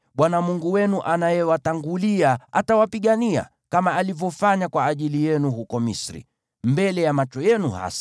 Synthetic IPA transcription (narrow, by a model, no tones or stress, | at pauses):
ɓwanamuŋɡuwɛnuʔanajɛwataŋɡuliaatawapiɠania̰ | kamaːlivjɔfaɲakwaːʄilijɛnuhukɔmḭsɾḭ | mbɛlɛjamat͡ʃɔjɛnuha̰sḁ